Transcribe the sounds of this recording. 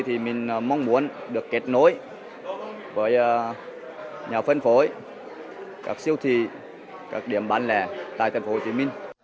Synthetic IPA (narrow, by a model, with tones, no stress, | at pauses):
jt̪ʰi˨˩mï˨˩ŋ̟˨˩ma˧wŋ͡mmu˨˦ənɗɨ˨˩əkːe˨˦˥t̚no˨˦j | vəː˨˦j | ɲaː˨˩fə˧nfo˨˦j | kaː˦˥k̚si˧əwt̪ʰi˧˩ | kaː˦˥k̚ɗi˧˩əmɓaː˨˦nlɛ˨˩t̪a̰ː˧˨jt̪ʰːŋ̟ho˧˩t͡ɕḭ˨˦mï˧ŋ̟